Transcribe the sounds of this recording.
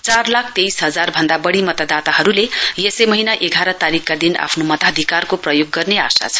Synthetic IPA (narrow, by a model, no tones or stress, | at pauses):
t͡sarlakʰt̪ejsɦʌd͡zarbʱʌnd̪abʌɽimʌt̪ad̪at̪aɦʌɾulejesejmʌɦinaʔeɡʱaɾʌt̪aɾikːad̪ina̰pʰnomʌt̪ad̪ʱikarkoprʌjoɡːʌrneasa̰t͡sʰʌ̥